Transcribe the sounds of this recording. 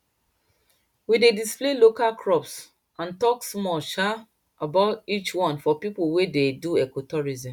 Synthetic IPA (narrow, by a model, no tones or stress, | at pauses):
widedisplelokalkʰɹɔps | ãntɔksmɔʃa | abaʊtit͡ʃwɔ̃nfɔpipuwededuɛkotɔɹizĩm